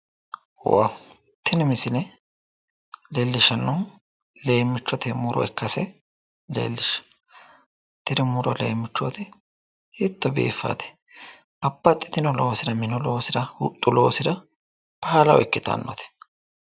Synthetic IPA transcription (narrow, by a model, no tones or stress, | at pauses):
wa̰ | t̪ʰːɪnɪmɪsɪlɛ | leːlːɪʃɐnːɔ | le̞ːmːɪt͡ʃːɔt̪ɛmʊɾɔ̰ɛkːɐsɛ | lḛːlːɪʃ | t̪ːɪɾɪmʊɾɔlḛːmːɪt͡ʃːɔt̪ɛ | hɪt̪ːɔbḛːfːa̰ːt̪ɛ̥ | bɐpːɐt̪ʼːɪt̪ɪnɔloːsɪd̪ɐmɪnɔloːsɪd̪ɐhʊt̪ʼːʊloːsɪd̪ɐ | paalɐwɛkːɪt̪ɐ̰nːɔ̰t̪ʰɛ̥